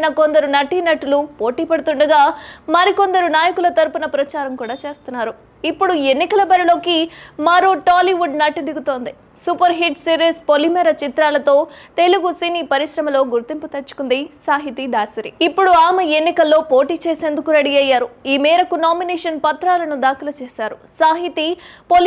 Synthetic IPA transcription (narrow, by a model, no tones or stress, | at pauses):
nɐko̞nd̪ɐɾunɐʈːinɐʈːulupo̞ːʈiːpɐɽut̪uɳɖɐɡaːmɐɾiko̞nd̪ɐɾunaːjɐkulɐt̪ɐɾupunɐpɾɐt͡ʃaːɾɐmkuːɽaːt͡ʃe̞ːst̪unːaːɾu | ipːuɽuenːikɐlɐbɐɾilo̞ːkimɐɾoːʈaːliʋuɖnɐʈːid̪iɡut̪o̞ːnd̪i | supɐɾɦiʈsiːɾiːspolimɛːɾɐt͡ʃit̪ɾaːlɐt̪o̞ːt̪e̞luɡusiniːpɐɾiʃɾɐmɐlo̞ːɡuɾt̪imput̪ɐt͡ʃːu̥kund̪isaːɦit̪id̪aːsɐɾiipːuɽuaːmɐenːikɐlːo̞ːpo̞ːʈiːt͡ʃeːse̞ːnd̪ukuɾɐɽiɐjːaːɾuiːmɛːɾɐkunaːminɛːʂɐnpɐt̪ɾaːlɐnud̪aːkɐlɐt͡ʃeːsaːɾusaːɦit̪ipol